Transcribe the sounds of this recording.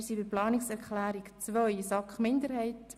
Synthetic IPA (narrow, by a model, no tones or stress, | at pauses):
sibɪɾplɑːnɪksɛɾkχlæːɾikt͡sʋœʏsɑkχmɪndəɾɦɛɪt